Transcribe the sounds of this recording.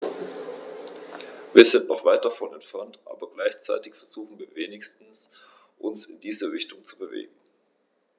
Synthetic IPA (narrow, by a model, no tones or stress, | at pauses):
viːɐzɪntnɔχv̥aɪt̚d̥afɔnɛntfɛɐntʔa̰ːbɐɡlaɪçt͡sa̰ɪtɪçfɛɐz̥uːxn̩viːɐveːnɪçstn̩s | ʔʊnsɪndiːzəʁɪçtʊŋt͡subəvḛːɡŋ̩